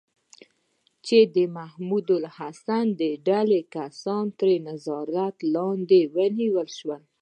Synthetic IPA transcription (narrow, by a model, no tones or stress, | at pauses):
t͡ʃed̪əmahmud̪ʊlhasand̪əɖalekasɑnt̪ɾenazɑɾat̪lɑnd̪ewəniwəlʃwəl